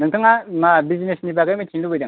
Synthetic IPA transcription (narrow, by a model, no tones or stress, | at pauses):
nɯŋtʰɯŋamabizinesnibaɡajmɯtʰiŋlubɯjdɯŋ